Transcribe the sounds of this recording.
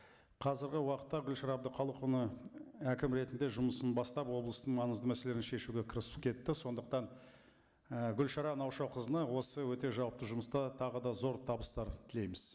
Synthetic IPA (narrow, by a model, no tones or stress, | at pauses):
qʰɑzɪɾɡʲɪwɑqət̪ːɑɡʲʏlʃɑɾɑb̚d̪əqʰɑlˠəqʊnəækʲɪmɾe̞t̪ɪnd̪e̞ʒʊməsənbɑst̪ɑpwo̞blˠəst̪əɴmɑnəzd̪əmæse̞leɾɪnʃe̞ʃuɡʲe̞kʰʲɪɾɪsu̥pkʲʰe̞t̪ːɪso̞nd̪əq̚t̪ɑɴ | əɡʲʏlʃɑɾɑnɑwʃɑwqʰəzənəwo̞səwɵt̪e̞ʒɑwəp̚t̪əʒʊməst̪ɑt̪ʰɑʁəd̪ɑzo̞ɾt̪ʰɑbəst̪ɑɾt̪ʰɪle̞jmɪz̥